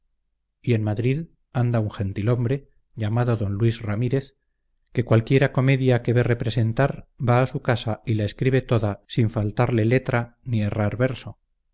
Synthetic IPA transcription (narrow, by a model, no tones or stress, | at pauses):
ie̞nmaðɾið | and̪auŋxe̞nt̪ilo̞mbɾe̞ | ʝamaðo̞ðo̞nlwisramiɾe̞θ | ke̞kwalkje̞ɾako̞me̞ðjake̞βe̞re̞pɾe̞se̞nt̪aɾbaːsukasailae̞skɾiβe̞t̪o̞ðasiɱfalt̪aɾle̞le̞t̪ɾanie̞raɾβe̞ɾso̞